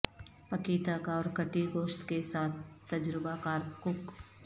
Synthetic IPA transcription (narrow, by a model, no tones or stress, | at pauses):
pɐkiːt̪akaɔːɾkəʈiɡoːʃt̪kesaːt̪̚ʰt̪ɐd͡ʒɾɪbakaːɾkʊk